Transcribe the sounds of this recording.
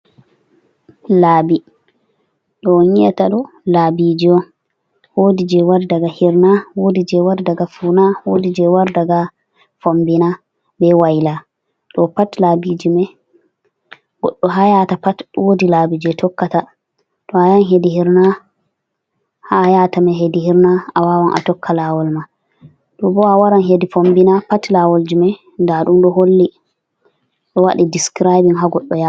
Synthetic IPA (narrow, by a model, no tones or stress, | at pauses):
laːbi | ɗɔɲiɛtaɗɔ | laːbid͡ʒiɔn | woːdid͡ʒɛwaɾdaɡahiɾnawodid͡ʒɛwaɾdaɡafunawodid͡ʒɛwaɾdaɡa | fombina | bɛwajla | ɗɔpatlaːbid͡ʒimɛ | ɡɔɗːɔɦajatapatwodilaːbid͡ʒɛtʰɔkːata | ɗɔhajanɦedihiɾna | hajatamɛɦediɦiɾnaawawanʔa̰tɔkʰːalawɔlma | ɗɔbɔawaɾanɦedifombinapatlawɔld͡ʒimɛ | ndaɗumɗɔɦolːi | ɗɔwaɗidiskɾajbiŋɦaɡɔɗːɔja